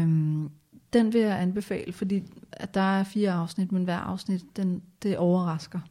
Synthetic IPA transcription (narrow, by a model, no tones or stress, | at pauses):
d̥enʋe̝jäænb̥e̝fɛ̰ːləfɒ̽d̥ḭːæd̥ɑ̈æɐfiːɐɑ̈ʊsnid̥menʋæɐ̰ʔɑ̈ʊsnid̥ːend̥e̝ʔɒʊɐʁɑ̈sɡ̥ɐ